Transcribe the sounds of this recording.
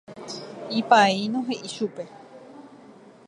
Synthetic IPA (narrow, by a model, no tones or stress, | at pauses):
ipainõɦeʔiʃupe